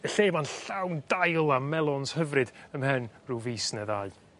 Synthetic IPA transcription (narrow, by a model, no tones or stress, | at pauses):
əɬeːmanɬawndajlˠamɛlˠɔnshəvrɨd̥əmhɛnruviːsnɛðaɨ